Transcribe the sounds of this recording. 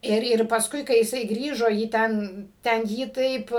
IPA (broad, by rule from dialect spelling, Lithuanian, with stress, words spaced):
ˈɪr ɪr pɐsˈkʊɪ kɐɪ jɪˈsɐɪ ˈɡrʲiːʒoː jiː ˈtʲɛn tʲɛn ˈjiː ˈtɐɪp